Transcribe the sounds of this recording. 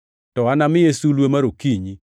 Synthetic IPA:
tɔanamɪjesulwemaɾokiɲi

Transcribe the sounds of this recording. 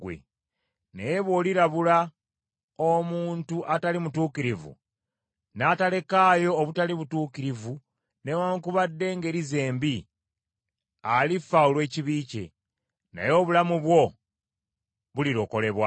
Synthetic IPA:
wḛ | nejeβwo̞ːliɾaβula | omuːntuʔatalimutuːkiɾivṵ | natale̞kaːjo̞ːβutaliβutuːkiɾivu | newaːŋkuβadːe̞ːŋɡe̞ːɾize̞ːmbi | alifaulwe̞ːciβiːce̞̰ | na̰jo̞ːβulamuβwo̞ | βuliɾoko̞le̞βwa

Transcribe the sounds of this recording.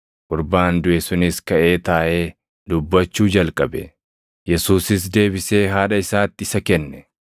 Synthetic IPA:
kʼʊɾbaːnd̪ʊʔɛsʊnɪskɐʔe̞ːt̪aːʔeː | d̪ʊbːɐt͡ʃːuːd͡ʒɐlkʼɐbɛ̰ | jɛsuːsɪs̬d̪e̞ːbɪse̞ːɦaːᶑɐɪsaːt̪ːɪɪsɐkɛnːɛ

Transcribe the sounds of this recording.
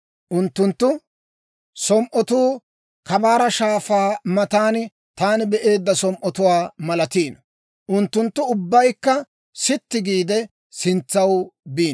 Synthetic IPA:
ʔʊnt̪ːʊnt̪ːʊ | sɔmʔɔt̪uː | kɐbaːɾɐʃaːfaːmɐt̪aːnɪ | t̪aːnɪbɛʔe̞ːd̪ːɐsɔmʔɔt̪ʊwaːmɐlɐt̪iːn | ʔʊnt̪ːʊnt̪ːʊʊbːɐjkːɐ | sɪt̪ːɪɡiːd̪ɛ | sɪnt͡sːɐwbiːn

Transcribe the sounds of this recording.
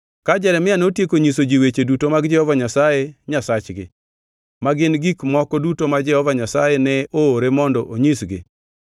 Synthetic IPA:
kad͡ʒɛɾɛmɪanotjekoɲisod͡ʒiwet͡ʃedutomaɡd͡ʒɛhɔvaɲasajeɲasat͡ʃɡɪ̰ | maɡɪnɡikmɔkɔdutomad͡ʒɛhɔvaɲasajenɛooɾemɔndɔʔoɲisɡɪ̰

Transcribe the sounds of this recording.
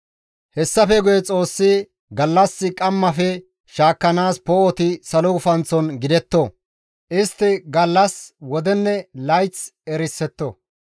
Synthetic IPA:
hɛsːɐfɛɡʊjɛt͡sʼo̞ːsːi | ɡɐlːɐsːɪkʼɐmːɐfɛ | ʃaːkːɐnaːspɔʔɔt̪ɪsɐlɔʊfɐnt͡sɔnɡɪd̪ɛt̪ːo | ʔɪst̪ːɪɡɐlːɐswɔd̪ɛnːɛlɐjt͡sɛɾɪsːɛt̪ːo

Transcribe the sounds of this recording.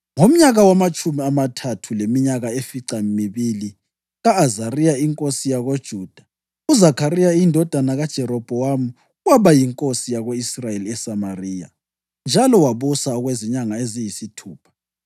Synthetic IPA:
ŋom̩ɲaɣawamat͡ʃʼumiamatʰatʰulemiɲaɣaefiǀammiβili | ɣaːzarijaiŋkʼosijaɣod̥ʒ̥ʱuːd̥ʱḁ | uzakʰarijaindʱɔd̥ʱanaɣad̥ʒ̥ʱɛɾɔb̥ʱɔwamu | waβajiŋkʼosijaɣoisrajeliɛsamarija̰ | nd͡ʒʱalɔwaβusaɔɣweziɲaŋaezijisitʰṵːpʰḁ

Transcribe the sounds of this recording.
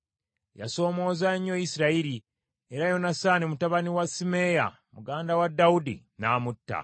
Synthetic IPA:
ja̰so̞ːmo̞ːzaɲːojisiɾaiɾi | e̞ɾajo̞nasaːnemutaβaniwasime̞ja | muɡaːndawadːaudḭ | naːmutːa̰

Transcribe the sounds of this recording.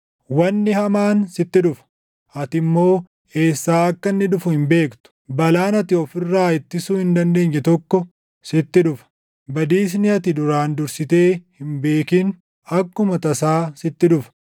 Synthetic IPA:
wɐnːɪhɐmaːnsɪt̪ːɪᶑʊfɐ̥ | ʔɐt̪ɪmːo̞ː | e̞ːsːaːɐkːɐnːɪd̪ʊfʊhɪmbe̞ːkt̪ʊ̥bɐlaːnɐt̪ɪɔfɪrːaːɪt̪ːɪsuːhɪnd̪ɐnd̪e̞ːɲːɛt̪ɔkːɔ | sɪt̪ːɪᶑʊfɐ̥ | bɐd̪iːs̬nɪɐt̪ɪd̪ʊɾaːnd̪ʊɾsɪt̪e̞ːhɪmbe̞ːkɪn | ɐkːʊmɐt̪ɐsaːsɪt̪ːɪᶑʊfɐ̥

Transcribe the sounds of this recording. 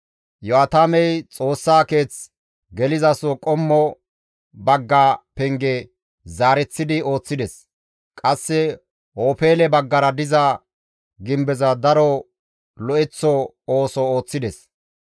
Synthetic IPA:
jɔaːt̪aːmɛjt͡sʼo̞ːsːaːke̞ːt͡s | ɡɛlɪzɐsɔkʼɔmːɔ | bɐɡːaːpɛŋɡɛ | zaːɾɛt͡sːɪd̪ɪo̞ːt͡sːɪd̪ɛs | kʼɐsːɛ | oːpe̞ːlɛbɐɡːɐɾɐd̪ɪzɐ | ɡɪmbɛzɐd̪ɐɾɔ | lɔʔɛt͡sːɔ | oːsɔo̞ːt͡sːɪd̪ɛs

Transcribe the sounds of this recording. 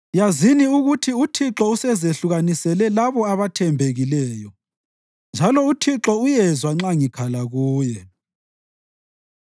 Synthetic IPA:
jaziniuɣutʰiutʰiǁɔusɛzeɬuɣanisɛlɛlaβɔaβatʰɛmbʱeɣilɛːjɔ | nd͡ʒʱalɔutʰiǁɔujɛzwaŋ͡ǁaŋikʰalaɣuːjɛ

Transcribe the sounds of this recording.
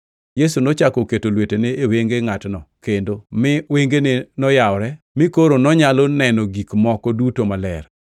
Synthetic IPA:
jesunot͡ʃakɔketolweteneːweŋɡeŋatnɔkendomɪweŋɡenenɔjaɔɾɛ | mɪkoɾonɔɲalɔnɛnɔɡikmɔkɔdutomalɛr

